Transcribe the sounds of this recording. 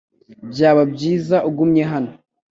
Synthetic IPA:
bɟaːβabɟiːzaʔuɡumɲe̞ɦano

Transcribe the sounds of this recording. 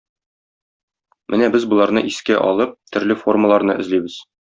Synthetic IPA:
mʔɘnæbɘzbɤ̆lˠɑɾnɤʔiskæʔɒ̰lˠɤp̚t̪ɵ̆ɾlɘfo̞rməlˠɑɾnɤɘ̆zlibɘz̥

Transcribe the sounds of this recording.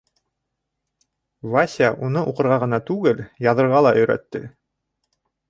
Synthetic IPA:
vasʲaʔunɤʔuqɤ̆ɾʁɑʁɤ̆nɑt̪ʉɡɘljɑðɤ̆ɾʁɑlˠɑʔɵ̆jɾæ̰t̪ːɘ

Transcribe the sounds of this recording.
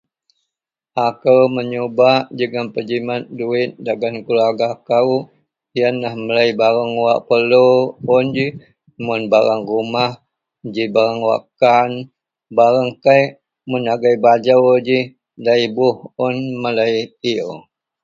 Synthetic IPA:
ʔakəwməɲobaʔd͡ʒəɡanpəd͡ʒimat̪̚duɪt̪̚daɡankulaɡakaw | ianlahməlajbaɾaŋwaʔpəloʊnd͡ʒi | mʊnbaɾaŋrumah | d͡ʒibaɾaŋwa̰kan | baɾaŋkajʔ | munaɡajbad͡ʒawd͡ʒi | daibʊhʊnmələjio̰

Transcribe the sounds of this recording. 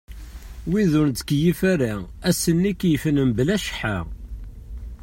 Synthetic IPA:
wiðʊnt̪ə̥kjifæɾa | æsənːikjəfnəmblæʃħa̰

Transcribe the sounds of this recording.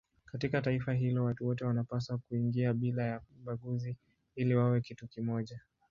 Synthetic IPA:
katikataifaɦilɔwatuwɔtɛwanapasakuiŋɡiaɓilajauɓaɡuzi | iliwawɛkitukimɔʄa

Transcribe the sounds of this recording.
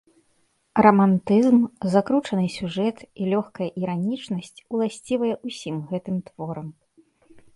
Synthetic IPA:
rɐmant̪ɨzmzakɾut͡ʂɐnɨsʲuʐɛt̪ilʲɔxkɐjɐʔiɾanʲit͡ʂnɐsʲt͡sʲulˠasʲt͡sʲivɐjɛʔusʲimɣɛt̪ɨmt̪vɔɾɐm

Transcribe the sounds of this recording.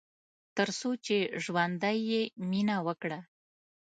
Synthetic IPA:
t̪əɾsot͡ʃeʒwand̪ajːeminawəkɽa

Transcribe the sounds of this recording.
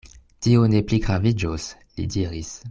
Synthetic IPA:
tionepliɡʁavid͡ʒos | lḭdiʁis

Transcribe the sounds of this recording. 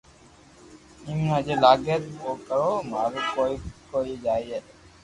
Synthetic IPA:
imnãːd͡ʒeːlaːɡet̪koːkəɾoːmaːɾukoːikoːiːd͡ʒaːiːeː

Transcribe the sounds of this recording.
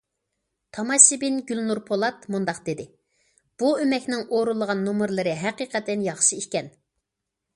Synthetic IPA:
t̪ʰɑmɑʃibɪnɡʲylnuɾpʰolˠɑt̪mund̪ɑqd̪ɪd̪ɪ | b̥uømɛkʲnɪŋoɾulˠəʁɑnːumɨɾlˠɨɾɨɦɛqiːqɛt̪ːɛnjɑχʃɨikʲɛn

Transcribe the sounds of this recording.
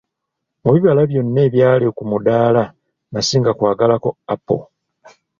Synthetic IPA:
muβiβalaβjo̞nːe̞ːβjaːle̞kumudaːla | nasiːŋɡakwaːɡalako̞apːo̰

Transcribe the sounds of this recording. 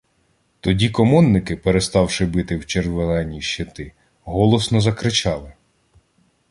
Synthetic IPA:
t̪ɔdʲikɔmɔnːɪkɪpeɾest̪ɑwʃɪbɪt̪ɪwt͡ʃerʋelˠɛnʲiʃːet̪ɪ | ɦɔlˠɔsnɔzɐkɾɪt͡ʃɑlˠɪ

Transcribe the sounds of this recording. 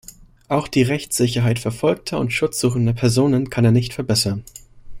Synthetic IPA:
ʔaʊxd̥iːʁɛçt͡sz̥ɪçɐɦaɪtfɛɐfɔlk̚tʰɐʊ̰ntʃʊt͡sz̥uːxn̩dɐpʰɛɐzoːnənkʰaneːɐnɪçtfɛɐbɛsɐn

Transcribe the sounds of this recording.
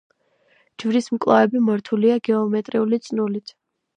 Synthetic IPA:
d͡ʒvɾismkʼlˠa̰ɛbimɔɾt̪ʰuliaɡɛɔmɛt̪ʼɾiulit̪sʼnulit̪ʰ

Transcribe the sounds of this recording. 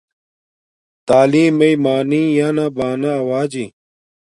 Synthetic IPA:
t̪aːliːmɐimaːniːjaːnabaːnaɐwaːd͡ʑi

